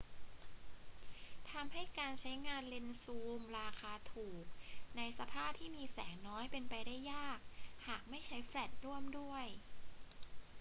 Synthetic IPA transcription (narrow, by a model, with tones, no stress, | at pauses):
t̪ʰa˧mha˥˩jkaː˧nt͡ɕʰa˦˥jŋaː˧nle˧nsuː˧mɾaː˧kʰaː˧t̪ʰuː˨˩k̚na˧jsa˧pʰaː˥˩p̚t̪ʰiː˥˩miː˧sɛː˩˦ŋnɔː˦˥jpe˧npa˧jda˥˩jːaː˥˩k̚haː˨˩k̚ma˥˩jt͡ɕʰa˦˥jfɾɛ˨˩t̪̚ɾu˥˩əmdu˥˩əj